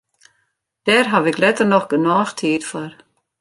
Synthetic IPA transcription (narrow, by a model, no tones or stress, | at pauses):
d̥ɛɾɦaʋɪklɛtərnɔχɡənɔːxtʰiːtfɔr